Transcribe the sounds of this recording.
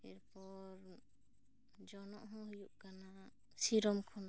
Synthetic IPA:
ɛɾpɔɾ | d͡ʒɔnɔʔɦɔ̃ɦujuʔkana | siɾɔmkʰɔn

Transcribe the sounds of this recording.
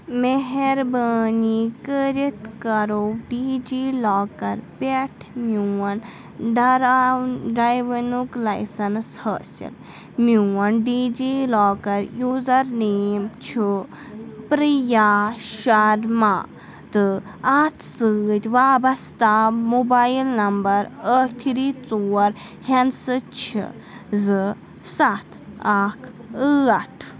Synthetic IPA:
meɦeɾbəːnikəɾit̪kɐɾoɖiːd͡ʒiːlaːkɐɾpeʈʰmuɐn | ɖɾɖɐjʋɐnuklɐjsɐnshə̰ːt͡ʃɐ̰l | muwɐnɖiːd͡ʒiːloːkɐɾjuːzɐɾniːmt͡ʃʰu | pɾijaʃɐɾma̰ː | t̪ɨ | at̪ʰsɨːt̪ʲʋaːbɐst̪ʰaːmubajilnɐmbɐɾət̪ʰiɾit͡soːɐɾ | hensɨt͡ʃʰḭ | zɨ | sat̪ʰaːkʰɨɐʈʰ

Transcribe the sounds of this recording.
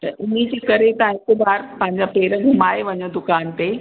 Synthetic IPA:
t̪ɐʔʔʊn̤id͡ʑiːkɐɾet̪ɐãɪtɪbaːɾpɐ̃ɦɪ̃ɲd͡ʑapeːɾəɡʱɐmaːeʋɐɲõd̪ʊkaːnt̪eː

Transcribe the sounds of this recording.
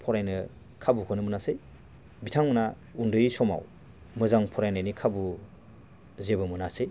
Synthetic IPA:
pʰɔɾajnɯ | kʰabukʰɯnɯmɯnasɯj | bitʰaŋmɯna | undɯjisɔma̰w | mɯzaŋpʰɔɾajnajnikʰabu | zebɯmɯnasej

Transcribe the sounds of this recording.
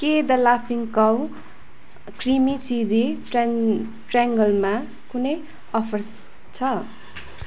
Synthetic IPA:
ked̪ʌlapʰiŋkʌw | krimit͡sid͡zi | ʈraŋɡʌlma | kunʌj | ʌpʰʌr | t͡sʰʌ

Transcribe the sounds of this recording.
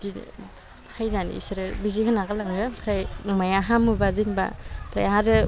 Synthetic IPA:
di | hajnanḭisɯɾɯbizihɯnaɡalaŋɾɯpʰɾajmajaɦamubazinba̰pʰɾa̰jaɾɯ

